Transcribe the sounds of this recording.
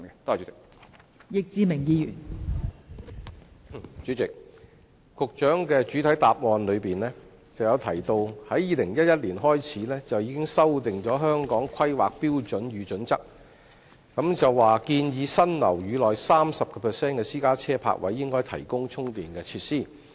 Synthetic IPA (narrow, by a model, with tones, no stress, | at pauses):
ɛ˧t̪o˥a˨˩y˨˦˥t͡sɪ˨k̚ | jɪ˨k̚t͡siː˧mɪ˨˩ŋjiː˧jyː˨˩n | t͡ʃy˨˥t͡sɪ˨k̚ | kʰʊ˨k̚t͡ʃœː˨˥ŋkɛː˧t͡ʃyː˨˥t̪ʰɐ˨˥jt̪aː˨p̚ŋɔː˨nlɵ˨˧ɥpiː˨nlɛː˥ | t͡sɐ˨˩wjɐ˨˧wt̪ʰɐ˨˩jt̪o˧whɐ˨˥jjiː˨˧lɪ˨˩ŋjɐ˥t̚jɐ˥t̚liː˨˩nɦɔː˥jt͡sʰiː˨˥lɛː˥t͡sɐ˨wjiː˨˧kɪ˥ŋsɐ˥wt̪ɪ˨ŋt͡ʃɔː˨˥ɦœː˥ŋkɔː˨˥ŋkʷʰɐ˥jwa̰ː˨k̚piː˥wt͡ʃɵ˨˥nɥyː˨˧t͡ʃɵ˨˥nt͡sɐ˥k̚ | kɐ˨˥mt͡sɐ˨wːaː˨kiː˧njiː˨˧sɐ˥nlɐ̰˨˩wjyː˨˧lɔː˨jsaː˥msɐ˨p̚kɛː˧pʰɛː˨˩sɛː˥nkɛː˧siː˥kaː˥t͡sʰɛː˥pʰa̰ː˧˥k̚wɐ̰˨˥jːɪ˥ŋkɔː˥jt̪ʰɐ̰˨˩jkʊ˥ŋt͡sʰʊ˥ŋt̪iː˨˩nkɛː˧t͡sʰiː˧t̚siː˥